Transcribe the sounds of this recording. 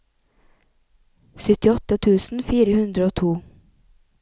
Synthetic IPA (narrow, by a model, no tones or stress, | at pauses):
sʏt̪ɪɔt̪ət̪ʰʉːsn̩fiːɾəhʉnd̪ɾəoːt̪ʰuː